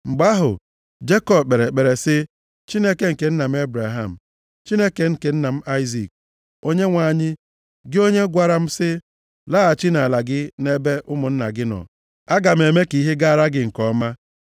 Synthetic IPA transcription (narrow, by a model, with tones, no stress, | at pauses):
ŋ͡m̩˨ɡ͡ba˦ɦʊ̰˨ | d͡ʒe˦kɔ˦b̚k͡pe˨ɾe˨k͡pe˨ɾe˨sɪ˦ | t͡ʃi˦ne˦ke˦ŋ̩˨ke˨n̩˦na˨m̩˦e˦bɾa˨ɦa˨m̩˨ | t͡ʃi˦ne˦ke˨ŋ̩˦ke˨n̩˦na˨m̩˦ʔa˦ɪ˦zi˨k̚ | o˦ɲe˦ŋʷa˨ɲɪ˦ | ɡɪ˦o˦ɲe˦ɡʷa˨ɾa˨m̩˦sɪ˦ | laː˦a˨t͡ʃi˦na˨la˨ɡɪ˦ne˦be˦ʔʊ˦mʊ˨n̩˦na˨ɡɪ˦nɔ̰˨ | a˦ɡa˨m̩˨e˨me˦ki˨˦ɦe˦ɡa˦a˨ɾa˦ɡɪ˦ŋ̩˨kɔ˨˦ma˦